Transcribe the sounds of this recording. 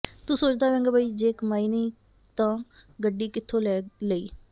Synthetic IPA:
t̪ʊ̃soːt͡ʃd̪aːʋɛ̃ːŋɡaːbʱaːiːd͡ʒeːkmaːiːneː | t̪ãːɡəɖːiːkɪt̪ʰːõːlɛːləḭː

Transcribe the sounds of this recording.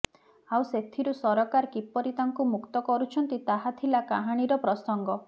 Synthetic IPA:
awset̪ʰiɾusɔɾɔkaɾkipɔɾit̪aŋkumukt̪ɔkɔɾut͡ʃʰɔnt̪it̪aɦat̪ʰilakaɦaɽ̃iɾɔpɾɔsɔŋɡɔ

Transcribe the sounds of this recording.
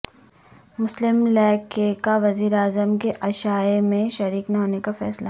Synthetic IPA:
mʊslɪmlɛːkekaʋɐziːɾeaːzəmkeʔɐʃaːemẽʃɐɾiːknaɦoːnekafɛːsla

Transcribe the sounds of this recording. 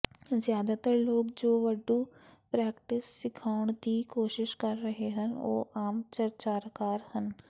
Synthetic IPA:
zjaːd̪aːt̪əɾloːkd͡ʒoːʋəɖːũːpɾɛːkʈɪsːɪkʰaːʊɳd̪iːkoːʃɪʃkəɾːəɦeːɦəno̰ːʔaːmt͡ʃəɾt͡ʃaːɾkaːɾhən

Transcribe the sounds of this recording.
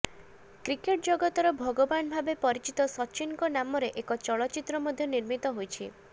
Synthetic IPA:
kɾikeʈ̚d͡ʒɔɡɔt̪ɔɾɔbʱɔɡobanbʱabepɔɾit͡ʃit̪ɔsɔt͡ʃinkɔnamɔɾeʔekɔt͡ʃɔɭɔtːt͡ʃit̪ːɾɔmɔd̪ʱjɔniɾmit̪ɔɦojt͡ʃʰi

